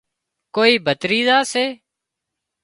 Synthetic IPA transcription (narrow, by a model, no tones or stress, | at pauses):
koːiːbʱət̪ɾiːzaːseː